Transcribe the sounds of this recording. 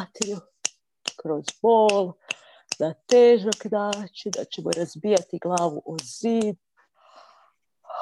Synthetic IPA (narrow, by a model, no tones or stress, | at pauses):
t̪eʎu | kɾozboːl | d̪at̪eːʒakd̪aːt͡ʃed̪a̰t͡ʃemoɾazbijat̪iɡlˠaːʋuʔoziːd̪